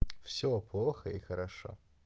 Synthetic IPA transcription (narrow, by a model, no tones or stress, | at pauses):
fsʲoplˠoxəixəɾʔaʂo̰